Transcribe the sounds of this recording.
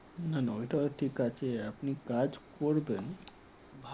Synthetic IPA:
nanaojʈaʈʰikat͡ɕʰeapnikad͡ʑkoɾben | bʱ

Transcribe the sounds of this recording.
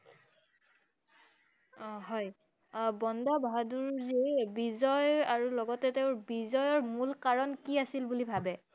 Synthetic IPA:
ɦɔj | bɔndabʱaduɹzebizɔjaɹulɔɡɔtɛteʊɹbizɔjɔɹmulkaɹɔnkiasilbulibʱabɛ

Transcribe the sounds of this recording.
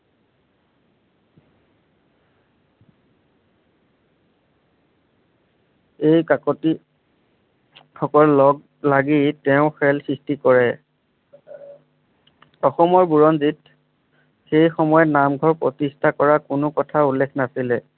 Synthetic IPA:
ejkakɔti | xɔkɔllɔɡ | laɡitɛʊ̃xɛlsɹistikɔɹɛ | ɔxɔmɔɹbuɹɔnzit̚ | xejxɔmɔjɔtnamɡʱɔɹpɹɔtistʰakɔɹakʊnʊkɔtʰaulːekʰnasilɛ

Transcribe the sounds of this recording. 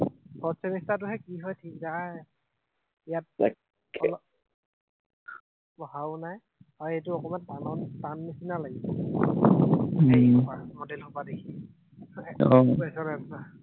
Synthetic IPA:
pɔsɛnistat̬ʊɦɛkiɦɔjtʰikza | ijat̚ | lɔ | bɔɦaʊnaj | hɔjejtʊɔkɔmandanɔntanːisinalaɡisɔ | pamodɛlɦɔpadekʰi | ɔɛsɔɹɛtta

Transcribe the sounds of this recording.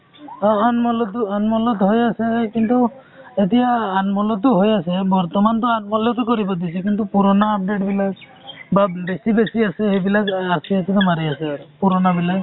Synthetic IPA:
ɔnmɔlɔt̪uɔnmɔlɔt̪ɦojasekint̪u | et̪iaːnmɔlɔt̪uɦojasebɔɾt̪ɔmant̪̬ɔanmɔlɔt̪ɔkɔɾibɔd̪it͡ʃʰikint̪upuɾɔnaːp̚ɖeʈbilaɡ | babesibesiaseɦebilaɡaɾsʰiasʰit̪ɔmaɾiasepuɾɔnabilaɡ

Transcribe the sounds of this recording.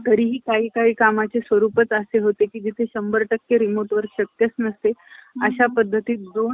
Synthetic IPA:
t̪əɾiːɦiːkaɦiːkaɦiːkamat͡ɕesʋəɾupət͡səseɦot̪ekiːd͡ʑit̪ʰeɕəmbəɾʈəkjəɾimoʈʋəɾɕəkjət͡snəst̪eəɕapəd̪ʱːət̪iːt̪d̪o

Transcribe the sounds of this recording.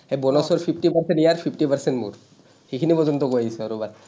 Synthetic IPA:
hebɔnɔsɔɹpʰipʰʈipaɹsɛnijaɹpʰipʰʈipaɹsɛntmṵɹ | xekʰinipɔzɔnt̪ɔkojaisɛaɾubad

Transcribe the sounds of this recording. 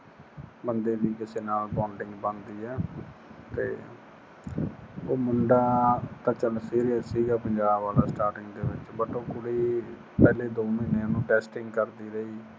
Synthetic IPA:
bənd̪eːʋiːkɪseːnaːlbãːɳɖɪ̃ŋɡbãnd̪iːɦɛːt̪ḛː | oːmʊɳɖaːt̪aːt͡ʃəlsiːɾijəssiːɡaːpəɲd͡ʒaːbaːlaːsʈaːɾʈɪŋɡd̪eːʋɪt͡ʃbəʈoːkʊɽiː | pɛːleːd̪oːmiːneːnũːʈɛːsʈɪ̃ŋɡkəɾd̪iːɾəiː

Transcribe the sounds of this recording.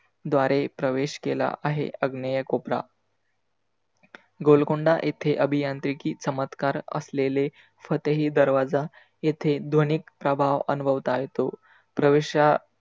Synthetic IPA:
d̪ʋaɾepɾəʋeɕkela̰ʔaɦḛəɡnəjəkopɾa̰ | ɡolkuɳɖaʔet̪ʰeʔəbʱijant̪ɾikiːt͡səmət̪kaɾə̰slele | fət̪əɦiːd̪əɾʋad͡za | et̪ʰed̪ʱonikpɾəbʱaʋə̰nubʱəʋt̪aaɦjet̪o | pɾəʋeɕa

